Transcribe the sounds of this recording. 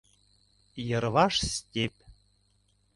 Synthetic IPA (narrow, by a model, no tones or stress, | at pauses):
jɤ̆ɾβɑʃstʲep̚